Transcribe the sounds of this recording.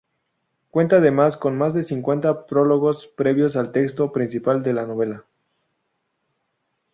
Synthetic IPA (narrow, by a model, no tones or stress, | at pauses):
kwe̞nt̪aːðe̞masko̞nmazðe̞siŋkwe̞nt̪apɾo̞lo̞ɣo̞spɾe̞βjo̞salt̪e̞kst̪o̞pɾĩnsipald̪e̞lano̞β̞e̞la